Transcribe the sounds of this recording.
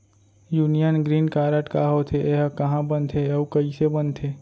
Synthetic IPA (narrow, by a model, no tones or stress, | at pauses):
juːnijənɡɾiːnkaːɾəʈkaːɦoːt̪ʰeʔeːɦkɐɦãbənt̪ʰeɐukəisebənt̪ʰeː